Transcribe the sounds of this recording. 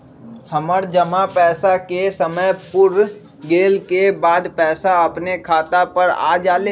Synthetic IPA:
həməɾd͡ʒəmapɛːsakesəməjpʊɾ | ɡeːlkebaːd̪pɛːsaɐpnekʰaːt̪apəɾa̰ːd͡ʒaːle

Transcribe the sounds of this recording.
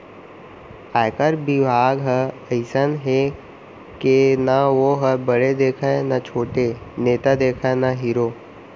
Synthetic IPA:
aːkəɾbɪbʱaːɡɦə | əɪsənɦe | kenaʋoɦəbəɽed̪eːkʰənat͡ʃʰoːʈeneːt̪ad̪eːkʰanaɦiːɾoː

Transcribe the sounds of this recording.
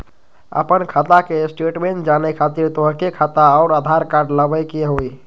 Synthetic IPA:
ə̰pənkʰat̪akesʈeʈmeɳʈd͡ʒanɛkʰat̪iɾt̪oɦkekʰat̪aɔʊɾəd̪ʱaɾkaɾɖləbəjkeɦoj

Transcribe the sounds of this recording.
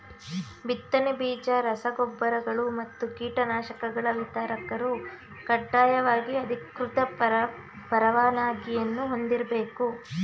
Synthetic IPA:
bit̪ːɐnebiːd͡ʒɐɾɐsɐɡɔbːɐɾɐɡɐɭumɐt̪ːukiːʈɐnaːʃɐkɐɡɐɭɐʋit̪aːɾɐkɐɾu | kɐɖːaːjɐʋaːɡiɐd̪ʱikɾut̪ɐ | pɐɾɐʋaːnaːɡijɐnːuɦo̞nd̪iɾɐbe̞ːku

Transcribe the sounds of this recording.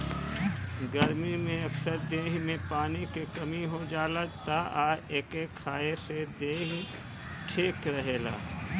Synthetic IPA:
ɡəɾmimẽɐksəɾd̪eːɦmẽpaːnikekɐmiɦod͡ʒaːlət̪aʔaːeːkekʰːaːesed̪eːɦ | ʈʰeːkɾɐɦeːla̰ː

